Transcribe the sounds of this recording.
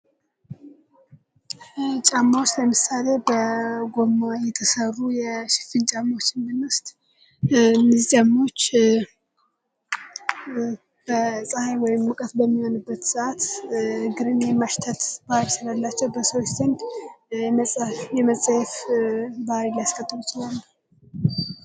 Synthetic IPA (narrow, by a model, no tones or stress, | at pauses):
t͡ʃʼamːawst̪ləmɨsale̞bəɡo̞mːajɛt̪ʰəsərːujɛʃɪ̥fɨnt͡ʃʼamːot͡ʃːɨnd̪ɨnwʊst̪ʼ | nɨzt͡ʃʼamːo̞t͡ʃː | b̥əsʼahajwɔjɪmːɨkʼət̪bəmːiho̞nɨbːət̪səʔat̪hɨɡɨɾɨnjɛmːaʃt̪ʰət̪basɨlalːat͡ʃːɛwbəsəwt͡ʃːzɨnd̪ | jɛməsʼajɛfbaaɾilajaskʰʼət̪ʼːɨlujit͡ʃɪlalːə